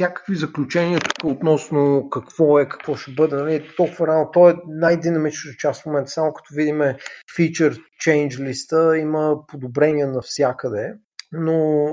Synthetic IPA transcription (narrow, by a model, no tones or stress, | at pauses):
sʲjakə̥kvizəklʲut͡ʃɛniət̪u̥kəot̪nɔsnokɐkvɔɛkɐ̥kvɔʃɛbɤd̪ɛnɐliɛt̪ɔlˠkʊvəɾɛalˠnot̪ɔɛnajd̪inɐmit͡ʃnət̪ət͡ʃasfmomɛnt̪ə̥samʊkɐ̥t̪ɔvid̪imɛfit͡ʃəɾt͡ʃɛjnd͡ʒlist̪əiməpod̪obɾɛniənɐfsʲjakəd̪ɛ | no